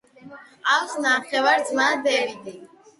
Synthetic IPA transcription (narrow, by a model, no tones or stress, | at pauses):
awsnaχɛvaɾd̪zmad̪ɛvid̪i